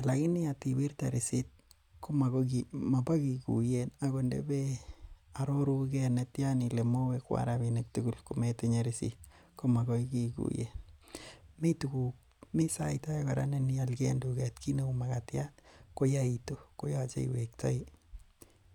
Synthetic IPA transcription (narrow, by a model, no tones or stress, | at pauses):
alakinɪatiwiɾtaɾisit̚ | komakokimapakikṵjenaɣondḛbe | aɾoɾukɛnetjanilemowekwa̰ɾabinek̚tuɡulkumeteɲaɾisḭt̚ | komakoikikṵjḛn | mitukuk̚ | misaitajkaɾa̰nenialkendukɛtkʰineumakatjatkojaitokojat͡ʃḛḭwek̚tʰɔ̰i